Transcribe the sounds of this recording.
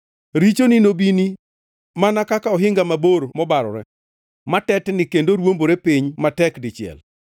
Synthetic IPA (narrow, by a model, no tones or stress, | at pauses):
ɾit͡ʃoninobini | manakakaɔɦɪŋɡamaboɾmɔbaɾɔ̰ɾɛ | matɛtnɪkendoɾwomboɾepɪɲmatɛkdɪt͡ʃɪɛ̰l